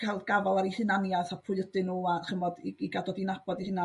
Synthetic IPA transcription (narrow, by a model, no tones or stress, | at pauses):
kʰajlˠɡavɔlˠaɾihɨnanjaθapʰʊɨədɨnuːaχəmɔdiiɡadɔdinab̥ɔdihɪna